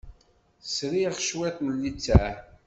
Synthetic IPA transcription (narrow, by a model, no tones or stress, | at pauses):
sɾiχə̥ʃwæt̪məlːit͡sːæ